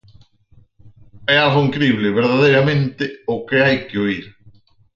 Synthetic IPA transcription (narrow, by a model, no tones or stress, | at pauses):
ɛaɣoiŋkɾiβlɪβeɾðaðejɾamẽnt̪ɪʊkeajkɪoiɾ